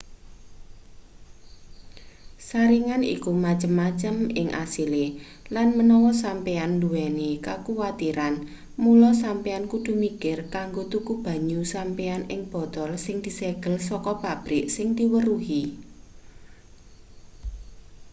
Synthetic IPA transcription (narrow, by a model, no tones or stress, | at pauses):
saɾiŋanḭkumat͡ʃəmːat͡ʃəmɪ̰ŋʔa̰sile | lanmənɔwɔsampeand̪uwɛnekakuwat̪iɾan | mulɔsampeankud̪̥ṳmikɪrkaŋɡot̪ukub̥ä̤ɲusampeanɪŋb̥ɔ̤t̪ɔlsɪŋd̪̥i̤sɛɡ̥əlsɔkɔpab̥ɾɪʔsɪŋd̪̥i̤wəɾuɦi